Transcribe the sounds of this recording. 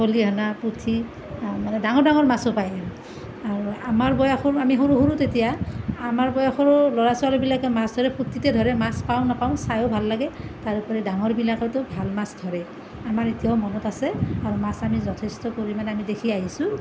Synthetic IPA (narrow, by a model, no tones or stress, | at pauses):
oliɦanaputʰi | manɛdaŋɔɹdaŋɔɹmasopajɛm | aɹuamaɹbɔjaxɔɹamiɦoɹuɦuɹutetijaːmaɹbɔjaxɔɹɔlɔɹasɔalɔbilakɛmasdʱɔɹɛputʰːitɛdʱɔɹɛmaspaʊ̃napaʊ̃sajobʱalːaɡɛtaɹupɔɹɛdaŋɔɹbilakɔtʊbʱalmasdʱɔɹɛ | amaɹetijaʊmɔnɔtasɛaɹumasamizɔtʰestɔpoɹimanamidekʰiaɦisu